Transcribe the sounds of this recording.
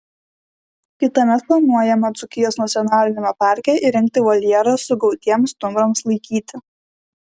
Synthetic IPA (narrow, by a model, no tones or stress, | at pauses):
kʲɪt̪ɐmʲɛt̪plˠɐnuɔjɛmɐt̪sʊkʲɪjoːsnɐt̪sʲjɔnɑːlʲɪnʲɪmɐpɑˑɾʲkʲɛʔɪɾʲɛŋʲk̚ʲt̪ʲɪʋɐlʲɛɾɐsʊɡɒʊt̪ʲiɛmst̪ʊmɾɐmslˠɐɪkʲiːt̪ʲɪ